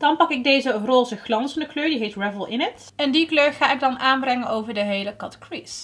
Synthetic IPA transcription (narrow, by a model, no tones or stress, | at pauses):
d̥ɑnpɑkɪɡ̚dejzəroːzəχlɑnsɑndəkløːɹdiɦejtɹɛvəlˠɪnət | ɛndikløːɹχaːɪɡ̚dɑnʔaːnbrɛŋənowvəɹdəɦejləkɑtkɹis